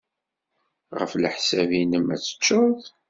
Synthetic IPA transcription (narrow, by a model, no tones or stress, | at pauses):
ʁəflħsævinəmːæt͡sːə̥t͡ʃːʊð